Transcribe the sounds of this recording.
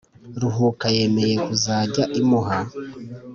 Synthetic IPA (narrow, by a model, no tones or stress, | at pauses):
ɾuɦukaje̞me̞je̞kuzaːɟaʔimuɦa